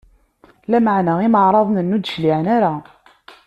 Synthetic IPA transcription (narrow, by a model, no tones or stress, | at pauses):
læmaʕnaiməʕɾˤɑðˤnənːud̪ʃliʕnaɾa